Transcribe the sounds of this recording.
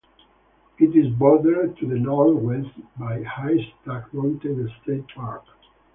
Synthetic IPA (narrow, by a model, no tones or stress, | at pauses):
itizbɔðəɹt̪uðənɔwɛstbajhajst̪akmõnt̪eðəst̪ʰet̚paɹk